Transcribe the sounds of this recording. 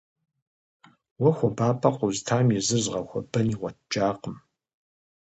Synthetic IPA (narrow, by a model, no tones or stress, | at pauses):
wɐxʷɔbaːpʰʼɐqʷʼʊztʰaːmjɪzɨrzʁɐxʷɔ̰bɐniːʁʷɔt̚ʰt͡ʃʼaːqəm